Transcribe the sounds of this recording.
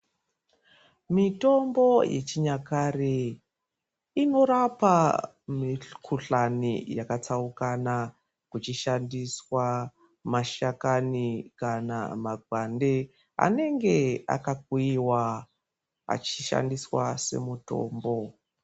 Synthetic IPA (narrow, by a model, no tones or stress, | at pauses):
mito̞mbo̞jḛt͡ʃiɲakare | ino̞ɾapa | mikʰuɬanijakat͡saukana | kut͡ʃiʃandiswa | maʃakanikana̰maɡʱwande | a̰ne̞ŋɡe̞a̰kak̚uiwa | a̰t͡ʃiʃa̰ndiswase̞̰muto̞̰ːmbo̞